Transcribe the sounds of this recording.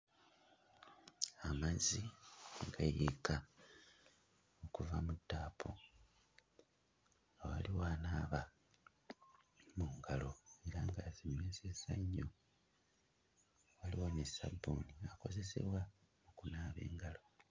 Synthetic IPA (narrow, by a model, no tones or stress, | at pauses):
amaziŋɡajeka | okuvamudːaːpʰo | awa̰liwaːnaβa | muŋɡalo̞e̞ɾaŋɡazimezesaɲːo | waliwanesa̰boniako̞ze̞se̞̰βwa | mukunaːβe̞̰ːŋɡalo̞